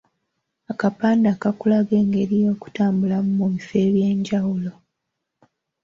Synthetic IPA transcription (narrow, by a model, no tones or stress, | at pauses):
akapaːndaːkakulaɡe̞ːŋɡe̞ɾijo̞ːku̥taːmbulamumuβife̞ːβje̞ːɲɟawulo̞